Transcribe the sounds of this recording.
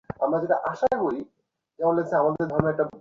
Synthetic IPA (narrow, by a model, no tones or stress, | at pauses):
amɾad͡ʑeʈaʔaʃaekoɽi | kɛbonlet͡ɕʰeamad̪eɾd̪ʱɔɾonoɛk̚ʈa